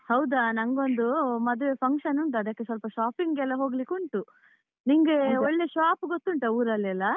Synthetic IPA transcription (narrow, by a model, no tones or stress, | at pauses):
hɐwd̪anɐŋɡo̞nd̪umɐd̪ʋepʰɐŋkʂɐnuɳʈuɐd̪ɐkːesɐlpɐʃaːpiŋɡɛlːɐɦo̞ːɡlikuɳʈu | niŋɡeɔɭːeʃaːpɡot̪ːuɳʈɐuːɾɐlːɛlːɐ